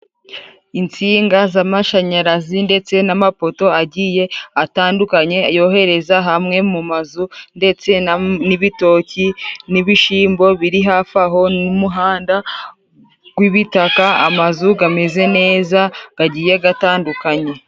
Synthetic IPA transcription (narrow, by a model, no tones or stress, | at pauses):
int͡siːŋɡazamaʃaɲaɾazinde̞t͡se̞namapo̞to̞aɟije̞ataːndukaɲe̞ajo̞ɦe̞ɾe̞zaɦamŋe̞mumazunde̞t͡se̞niβito̞ciniβiʃiːmbo̞βiɾiɦafaɦo̞numuɦaːnda | ɡ̥wiβitakaa̰mazuɡame̞ze̞ne̞ːzaɡ̥aɟiːje̞ɡataːndukaɲe̞